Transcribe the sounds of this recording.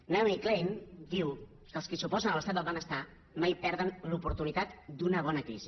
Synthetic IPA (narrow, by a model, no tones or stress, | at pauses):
namiklejnd̪iw | kəlˠskisupɔzənəlˠəst̪at̪d̪əlˠβɛnəst̪a | majpɛɾð̞ənlupuɾt̪unit̪at̪d̪unəβ̞ɔnəkɾizi